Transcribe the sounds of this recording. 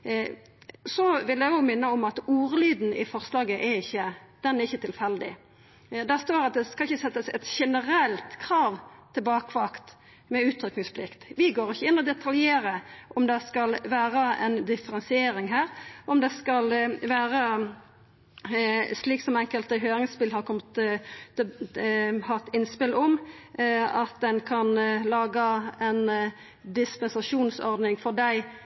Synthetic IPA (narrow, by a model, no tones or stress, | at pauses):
sɔʋɪljɛɡoːɡmɪnːəɔmɑt̪uːʁəlyːd̪n̩ɪfɔʁslɑːɡəʔɛɾɪçːəd̪̥ɛnæɾʁɪçːət̪ʰɪlfɛld̪ɪ̰ | d̪æst̪oːɾɑt̪̚d̪ɛskɑlɪçːəsɛt̪ːəsɛt̪ʃɛnəɾɛlt̪kʰʁɑːʋt̪ʰɪlbɑːkʋɑkt̪ | mɛʉːt̪ʰɾʏknɪŋspʰlɪkt̪ʋɪɡoːʁɪçəɪnːəɔd̪ɛt̪ʰɑljeːɾəʔɔmd̪ɛskɑlʋæːɾəɛ̰nd̪ɪfəɾɛnsɪeːɾɪŋɦæːɾɔmd̪ɛskɑlʋæːɾə | sliːksɔmɛŋkəlt̪əɦøːɾɪŋspɪlɦɑɾkʰɔmːt̪ | hɑʁt̪ɪnːspɪlʔɔm | ɑt̪d̪ɛnkʰɑnlɑːɡəɛn | d̪ɪspɛnsɑʂuːnsɔɾd̪nɪŋfɔʁd̪æɪ